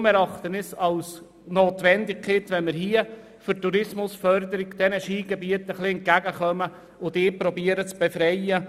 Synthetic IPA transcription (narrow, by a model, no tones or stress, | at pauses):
mɛɾɑχt̪ənɪsɑls | noːtʋɛndɪkkʰɪtʋɛnmɪɾɦiə | fʏɾtuɾɪsmʊsfœɾd̪əɾɪɡd̥ɛnəʃiːɡɛbiətəχlɪɛnt̚kæɡəχœmə | ʊdɪːpɾɔbiəɾət͡sb̥efɾɛjə